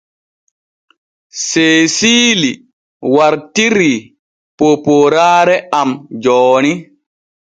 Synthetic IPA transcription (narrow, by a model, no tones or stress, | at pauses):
seːsiːli | waɾtiɾi | popoɾaːɾɛamd͡ʒɔːni